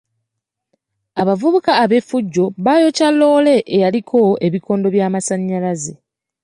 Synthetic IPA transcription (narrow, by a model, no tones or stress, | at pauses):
aβavuβukaːβe̞fuɟːo̞βajo̞calːo̞ːle̞ʔejalikʰo̞e̞βikʰo̞ːndo̞βjaːmasaɲːalaze